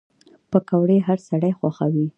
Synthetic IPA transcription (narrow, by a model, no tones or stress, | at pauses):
pəkawɽeɦaɾsaɽajxwaxawi